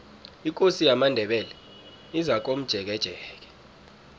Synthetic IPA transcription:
ikʼosijamandʱɛɓɛlɛ | izak̬om̩d̥ʒ̥ʱɛk̬ɛd̥ʒ̥ʱɛːk̬ɛ̥

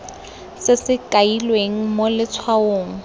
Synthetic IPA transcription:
sɪsɪkʼailweŋ̩molɪt͡sʰwaoːŋ̩

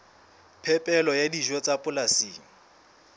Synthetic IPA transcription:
pʰɛpʼɛlɔjadiʒɔt͡sʼapʼʊlasiːŋ̩

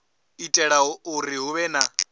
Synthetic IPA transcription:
itʼɛɺauɾiɦuβɛna

